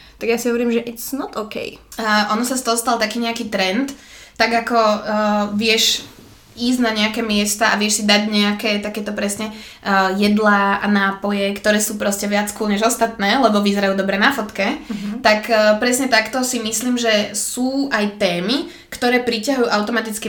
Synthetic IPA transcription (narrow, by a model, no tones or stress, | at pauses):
t̪aɡjasiɦɔʋɔɾiːmʒɛʔɛcsnɔt̪ɔkɛ̰jʔɔnɔsast̪ɔɦɔst̪alt̪akiːɲɛakiːt̪ɾɛnt̪ː | aɡakɔ | ʋɪɛʃ | iːzɟnaɲɛakɛːmɪɛst̪aʔaʋɪɛʃsid̪aɟɲɛakɛːt̪akɛːt̪ɔpɾɛsɲɛ | jɛd̪laːa̰naːpɔjɛkt̪ɔɾɛːsuːpɾɔscɛʋɪat͡skɔlɲɛʒɔst̪at̪nɛːlɛbɔʋizɛɾajuːd̪ɔbɾɛnafɔt̪kɛt̪akːpɾɛsɲɛt̪akt̪ɔsimisliːmʒɛsuːajt̪ɛːmi | kt̪ɔɾɛːpɾicaɦujuːʔaʊt̪ɔmat̪it͡ski